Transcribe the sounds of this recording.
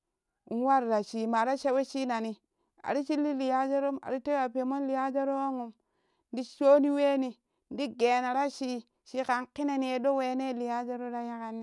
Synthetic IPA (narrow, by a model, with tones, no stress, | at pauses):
u˨n˦wa˦ɾɾa˨ʃi˨ma˨ɾa˦ʃe˦we˦ʃi˦na˨ni˦ | a̰˨ɾi˦t͡ʃi˦lːi˦li˨ja˦d͡ʒa˦ɾo˦ma̰˨ɾi˦te˦a˨pe˨mo˦n˦li˨ja˦d͡ʒa˦ɾo˦wa˦ŋu˨m | ndi˦ʃo˦ni˦we˦ni˨ | n˦di˦ɡe˨na˨ɾa˦ʃi˦ | ʃi˦ka˨nki˦ne˨ni˨e˨do˦we˨ne˦˨li˨ja˦d͡ʒa˦ɾo˦ɾa˦ja˦ka˦nːi˦